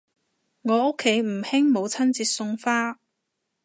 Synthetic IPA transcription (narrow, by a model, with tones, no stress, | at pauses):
ŋɔː˨˧ʊ˥kʰːe˨˥jm̩˨˩hɪ˥ŋmo˨˧wt͡sʰɐ˥nt͡siː˧t̚sʊ˧ŋfaː˥